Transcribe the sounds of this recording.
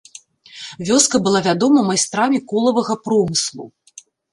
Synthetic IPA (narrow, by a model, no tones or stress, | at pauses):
vʲɔskɐbɨlˠavʲad̪ɔmɐmajst̪ɾamʲikɔlˠɐvɐɣɐpɾɔmɨslˠṵ